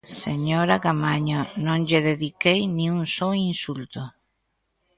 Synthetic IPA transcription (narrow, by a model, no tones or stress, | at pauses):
seɲoɾaɣamaɲonõŋʎeðeðikejnĩuŋsoinsult̪ʊ